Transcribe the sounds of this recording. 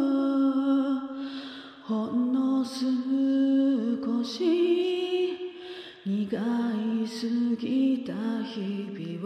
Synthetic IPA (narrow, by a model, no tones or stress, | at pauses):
honːosɨmɯkoɕi | ɲiɡaisɨɡʲit̪açibiw